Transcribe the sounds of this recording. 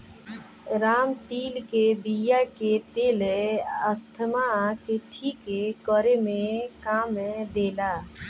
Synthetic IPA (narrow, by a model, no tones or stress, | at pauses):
ɾaːmt̪iːlkebijaket̪eːleəst̪ʰəmakeʈʰiːkekɔɾemẽkaːmed̪eːlaː